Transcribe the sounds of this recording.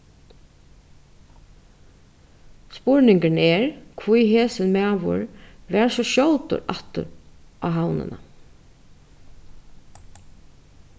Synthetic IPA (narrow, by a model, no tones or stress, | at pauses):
spʊɹnɪŋkənɛːɹkʰʋujɦeːsɪnmæːʋʊ̰ɹʋɛːɹsɔʃjɔlt̪ʊ̰ɾʔat̪ʊ̰ɾʔaɦawnɪ̰na̰